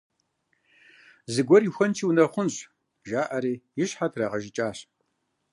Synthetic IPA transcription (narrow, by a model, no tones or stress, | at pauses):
zɨɡʷɔrixʷɐnt͡ʃʰiːwnɐχʷʊnɕʼ | ʒaːʔɐɾiːjɪɕħatʰrɐʁɐʒɪt͡ʃʼaːɕ